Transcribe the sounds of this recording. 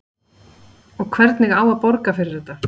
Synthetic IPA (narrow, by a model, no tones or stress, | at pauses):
ɔɣkʰvɛɾt̪nɪɣaːwaðpɔɾkafɪɾɪɾɛt̪a